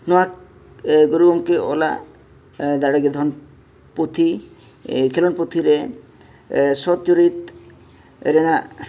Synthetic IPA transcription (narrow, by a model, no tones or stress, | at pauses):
nɔak | ɡoɾuɡɔmkeʔɔla̰ | d̪aɽaɡed̪ʱɔn | put̪ʰi | kʰelɔnput̪ʰiɾe | sɔt̪̚t͡ʃuɾit̪ | ɾena